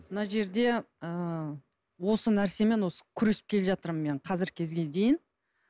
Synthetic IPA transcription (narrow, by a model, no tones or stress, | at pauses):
mənɑʒe̞ɾd̪e̞ə | wo̞sənæɾse̞me̞nwo̞sə̥kʲʰʏɾesɪ̥p̚kʲʰe̞lʲeʒɑt̪əɾme̞ɴqʰɑzɪɾkʲʰe̞zɡʲe̞d̪e̞jɪn